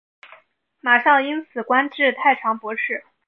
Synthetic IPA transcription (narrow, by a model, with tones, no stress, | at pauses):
ma˨˩ʂɑ˥˩ŋi˥nt͡sʰɹ̩˨˩kwa˥nʈ͡ʂɻ̩˥˧t̪ʰa˥˩ɪʈ͡ʂʰɑ˧˥ŋpwɔ˧˥ʂɻ̩˥˩